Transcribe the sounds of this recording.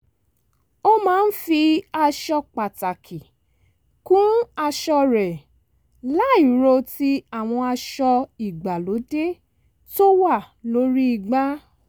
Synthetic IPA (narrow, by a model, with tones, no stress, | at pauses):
o˦mãː˨˦n̩˦fi˧a˧ʃɔ˧k͡pa˨ta˨kʰi˨ | kũ˦a˧ʃɔ˧ɾɛ˨ | la˨˦i˨ɾo˧ti˧a˦˨w̃ɔ̃˧a˧ʃɔ˧i˨ɡ͡ba˨lo˨˦de˦ | to˦wa˦˨ | lo˨˦ɾi˦i˧˨ɡ͡ba˦